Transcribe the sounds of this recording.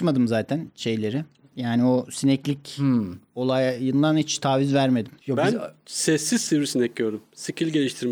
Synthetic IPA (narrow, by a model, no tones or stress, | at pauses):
mad̪ɯmzaːt̪ʰænʃe̞jlʲe̞ɾɪ | jaːnio̞sinɛclʲic | o̞lˠajjɯnd̪anit͡ʃt̪ʰaːvizvæɾme̞d̪imjobænsɛsːiz̥siɾisinɛc̚ɟøɾumsicʰilʲɟelʲiʃt̪ʰiɾm